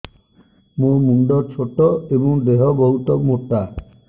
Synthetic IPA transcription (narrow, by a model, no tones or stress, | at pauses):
momunɖɔt͡ʃʰoʈɔebɔŋd̪eɦɔbɔɦut̪ɔmoʈa